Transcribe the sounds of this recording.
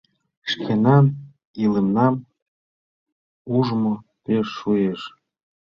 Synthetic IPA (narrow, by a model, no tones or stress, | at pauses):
ʃkʰenɑn | ilĕmnɑm | uʒmo | peʃːueʃ